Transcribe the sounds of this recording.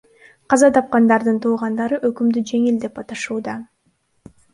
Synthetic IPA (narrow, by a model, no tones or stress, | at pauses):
qʰɑzɑt̪ɑp̚qɑnd̪ɑɾd̪ɯnt̪ʰuːʁɑnd̪ɑɾɯʔø̞kymd̪yd͡ʒe̞ŋild̪e̞pɑt̪ɑʃuːd̪ɑ